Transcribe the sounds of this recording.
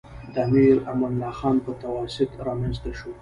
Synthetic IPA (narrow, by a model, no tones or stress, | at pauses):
d̪amiɾamanlɑxɑnpət̪awɑsɪt̪ɾɑmenzt̪aʃo